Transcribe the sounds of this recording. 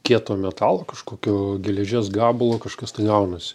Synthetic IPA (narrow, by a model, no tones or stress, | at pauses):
kʲiɛt̪oːmʲɛt̪ɑːlˠoːkɐʃkoːkʲoːɡʲɛlʲɛʒʲeːsɡɑːbʊlˠoːkɐʃkɐst̪ɐɪɡɐʊnɐsʲɪ̥